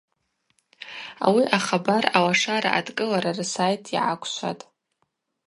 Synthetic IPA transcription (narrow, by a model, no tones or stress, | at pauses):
a̰wiʔaχabarawaʂaɾa̰ʔadkʼɨlaɾarɨsajtʰḭʕakʷʰʃʷa̰tʼ